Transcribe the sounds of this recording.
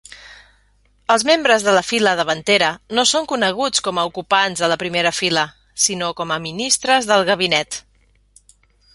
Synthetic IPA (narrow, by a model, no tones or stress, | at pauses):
əlˠzmembɾəzðələfiləðəβənt̪eɾənosoŋkunəɣ̞ut͡skɔməukupanzðələpɾimeɾəfilə | sinokɔməminist̪ɾəzðəlˠɣəβ̞inɛt̪